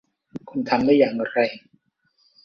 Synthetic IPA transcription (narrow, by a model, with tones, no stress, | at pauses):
kʰu˧nt̪ʰa˧mdaː˥˩jːaː˨˩ŋɾa˧j